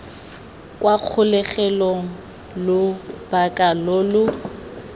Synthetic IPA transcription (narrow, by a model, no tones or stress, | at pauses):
kʼwaq͡χʰʊlɛχɛlɔŋ̩ | lʊb̥akʼalolʊ